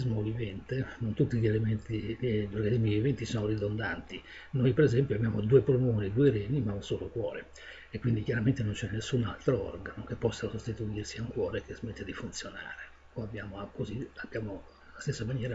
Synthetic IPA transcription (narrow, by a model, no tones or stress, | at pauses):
izmovivɛnt̪enont̪ut̪ːiʎelement̪iʎːorɡanizmivivɛnt̪isɔːnorid̪ond̪ant̪i | nojpeɾezɛmpjoabjaːmod̪uːepɾonoːnid̪uːeɾɛɲimaunsoːlokwɔːɾe | ekwind̪ikjaɾament̪enont͡ʃɛnːesːuna̰lt̪ɾoɔ̰rɡanokepːɔsːasost̪it̪uirsiauŋkwɔːɾekezmet̪ːed̪ifunt̪sjona̰ːɾe | oabːjaːmokoziabjaːmo | last̪esːamanjɛːɾa